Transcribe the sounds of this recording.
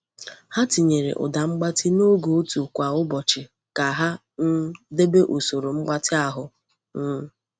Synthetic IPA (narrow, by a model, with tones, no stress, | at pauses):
ha˦ti˨ɲe˨ɾḛ˨ʔʊ̰˨da˨ŋ͡m̩˦ɡ͡ba˦tɪ˦no˦ɡo˨˦tu˨kʷa˨ʊ˦bɔ˨t͡ʃɪ˨ | ka˨ɦa˦ | n̩˦de˦be˦ʔo˨so˨ɾo˨ŋ͡m̩˦ɡ͡ba˦tɪ˦a˦ɦʊ˦ | n̩˦